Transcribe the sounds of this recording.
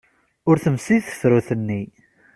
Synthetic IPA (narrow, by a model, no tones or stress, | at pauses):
ʊɾθəmsiθə̥θɾʊθənːi